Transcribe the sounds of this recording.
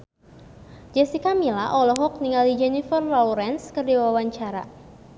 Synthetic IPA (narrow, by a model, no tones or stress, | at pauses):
d͡ʒɛsikamilaʔɔlɔɦɔk̚niŋalid͡ʒɛnifərlɔuɾɛnskərdiwawaɲt͡ʃaɾa̰